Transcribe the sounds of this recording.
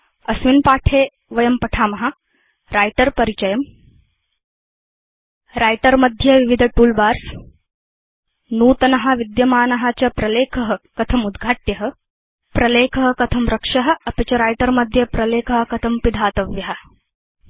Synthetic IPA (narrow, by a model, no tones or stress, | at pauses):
ɐsʋinpaːʈʰeː | ʋɐjɐmpɐʈʰaːmɐɦɐ̆ | ɾaːjʈɐɾpɐɾit͡ʃɐjɐm | ɾaːjʈɐɾmɐd̪ʱjɐʋiʋid̪ʱɐʈuːlbaːɾs | nuːt̪ɐnɐɦɐ̆ʋid̪jɐmaːnɐɦat͡ʃɐpɾɐleːkʰɐɦɐkɐt̪ʰɐmud̪ɡʱaːʈjɐɦɐ̆ | pɾɐleːkʰɐɦɐ̆kɐt̪ʰɐmɾɐkʂɐɦɐ̆ɐpɐt͡ʃɐɾaːjʈɐɾmɐd̪ʱjɐpɾɐleːkʰɐɦɐ̆kɐt̪ʰɐmpid̪ʱaːt̪ɐʋjɐɦɐ̆